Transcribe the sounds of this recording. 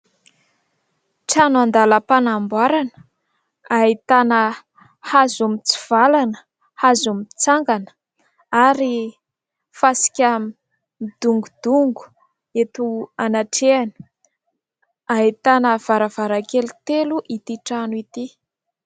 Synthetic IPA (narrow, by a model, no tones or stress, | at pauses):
ʈ͡ʂanuand̪aləpanambwaɾanə̥ | aɦit̪anə | hazumit͡siv̥alanə̥ | hazumit͡saŋɡanə̥ | aɾi | fasi̥kʲami | id̪̥uŋɡud̪̥uŋɡu̥ | et̪uanaʈ͡ʂeanə̥ | aɦit̪anəv̥aɾəv̥aɾakelut̪eluʔit̪iʈ͡ʂanuit̪i